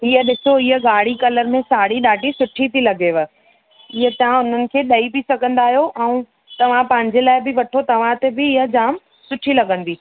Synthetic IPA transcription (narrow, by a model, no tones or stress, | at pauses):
ɪɦəɗɪsoɪɦəɡaːɽ̤ikɐləɾmẽsaːɽiɗaːʈisʊʈʰit̪ʰilɐɡeːʋə̆ | ɪɦət̪ɐãʊn̤ənɪ̆kʰeːɗɐibɪsɐɡʱə̃nd̪aːɦijoʔɛ̃ũ | t̪ɐʋ̤ãpɐ̃ɦɪ̃ɲd͡ʑelaːɪbɪʋɐʈʰot̪ɐʋ̤ãt̪ebɪːɦə̆d͡ʑaːm | sʊʈʰilɐɡə̃nd̪iː